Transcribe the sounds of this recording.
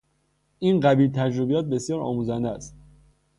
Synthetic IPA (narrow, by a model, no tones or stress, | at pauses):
ʔiːnɢæbiːlt̪ʰæd͡ʒɾobijɒːt̪̚be̞sjɒːɾɒ̰ːmuzænd̪ææst̪